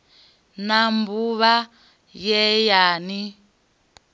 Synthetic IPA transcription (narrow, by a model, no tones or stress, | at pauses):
nambuβa | jɛjaːni